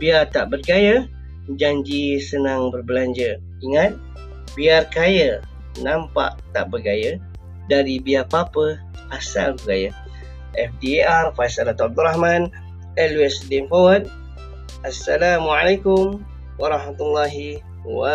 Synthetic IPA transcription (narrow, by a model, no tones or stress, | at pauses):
biat̪aʔbərɡajə | d͡ʒaɲd͡ʒisənaŋbərbəlaɲd͡ʒə | iŋat̪̚ | biarkajə | nãmpa̰ʔt̪a̰ʔbərɡajə | daɾibiarpapə | asa̰lbəɡajə | ʔɛfdiarfajsalat̪ɔab̚d̪uɾahmãn | ɛluɛsdɛnpawət̚ | asːalamuʕalajkum | waɾˤɑhmat̪ulːaɦi | wa